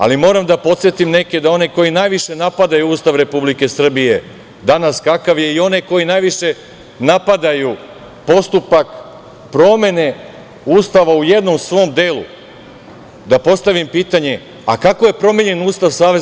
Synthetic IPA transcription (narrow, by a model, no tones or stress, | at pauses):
a̰limo̞ːɾamd̪apo̞t̪sje̞t̪imne̞ke̞d̪ao̞neko̞jinaːjʋiʃe̞napad̪ajuuːst̪aʋɾe̞publike̞sr̩bije̞ | d̪anaskakaʋje̞io̞ne̞ko̞jinajʋiʃe̞ | napad̪aju | po̞st̪upak | pɾo̞me̞ne̞ | uːst̪aʋauje̞d̪no̞msʋo̞md̪eːlṵ | d̪apo̞st̪aʋimpiːt̪aɲe̞ | a̰kakoje̞pɾo̞meɲe̞nuːst̪aʋsaːʋe̞